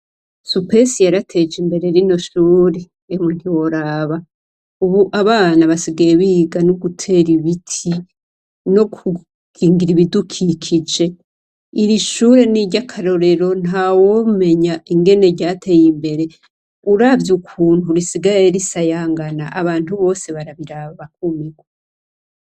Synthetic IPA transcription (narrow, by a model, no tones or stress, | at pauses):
supesijaɾatʰe̞d͡ʒimbe̞ɾe̞ɾino̞ʃuːɾe | jemun̥iwo̞ɾaβa | uβuʔaβaːnaβasiɡaje̞βiɡanoɡutʰe̞ɾiβitʰi | no̞ku | ɡ̥iːŋɡiɾiβidukʰikʰid͡ʒe̞ | iɾiʃuɾe̞niɟakʰaɾo̞ɾe̞ɾo̞n̥hawome̞ɲaiŋɡe̞ne̞ɟaːtʰe̞jimbe̞ɾe̞ | uɾavjukʰuːn̥huɾisiɡajeɾisajaːŋɡana̰ʔaβaːn̥uβo̞ːse̞βaɾaβiɾaβaβak̚umiɡwa